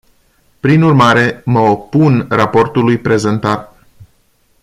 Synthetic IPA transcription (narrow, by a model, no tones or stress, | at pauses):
pɾinurmaɾe̞məo̞punrapo̞rt̪ulujpɾe̞ze̞nt̪at̪